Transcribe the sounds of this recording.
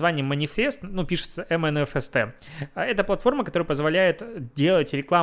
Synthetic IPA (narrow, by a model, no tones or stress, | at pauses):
vanʲɪjəmːənʲɪfʲe̞st̪nupʲiʂɨ̥t̪səʔɛmɛnɛfɛst̪ɛ | ɛt̪əplˠɐt̪fo̞rməkɐt̪o̞ɾəjəpəzvɐlʲæjɪt̪dʲe̞lˠətʲɾʲɪklˠa